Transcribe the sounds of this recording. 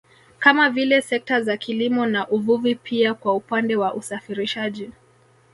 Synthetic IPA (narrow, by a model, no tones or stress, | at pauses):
kamavilɛsɛk̚tazakʰilimɔnaʔuvuvipʰiakwaupandɛwaʔusafiɾiʃaʄi